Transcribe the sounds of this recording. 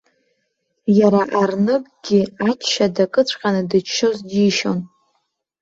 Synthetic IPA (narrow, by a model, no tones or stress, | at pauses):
jaɾaʔarnɨkʼɡʲiat͡ʃʰʼʃadakʼɨt͡ɕʷʰʼqʲʼanɨdɨt͡ʃʰːozdiʃo̞n